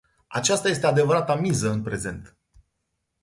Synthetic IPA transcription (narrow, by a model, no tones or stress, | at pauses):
at͡ʃast̪aje̞s̬t̪e̞ad̪e̞vəɾat̪amizəɨnpɾe̞ze̞nt̪